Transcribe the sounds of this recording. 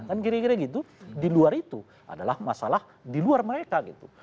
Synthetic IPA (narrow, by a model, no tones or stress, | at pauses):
kankiɾekiɾɛɡit̪udiluaɾit̪u | ʔa̰dalahmasalah | diluarməɾekaɡit̪u